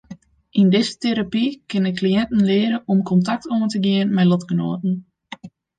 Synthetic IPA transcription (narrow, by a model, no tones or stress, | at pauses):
ʔindɪzətʰeɾapikɪnəkʰlijɛntn̩lɪəɾəɔmkʰɔntak̚tʰoəntəɡɪənmɛjlɔtkəno̰ːtn̩